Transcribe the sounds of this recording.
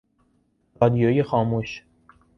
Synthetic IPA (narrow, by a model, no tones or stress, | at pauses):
ɾɒːd̪ijojexɒːmuʃ